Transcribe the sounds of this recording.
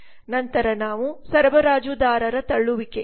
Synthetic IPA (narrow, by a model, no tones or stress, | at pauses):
nɐnt̪ɐɾɐnaːʋusɐɾʋɐɾaːd͡ʒud̪aːɾɐɾɐt̪ɐɭːuʋike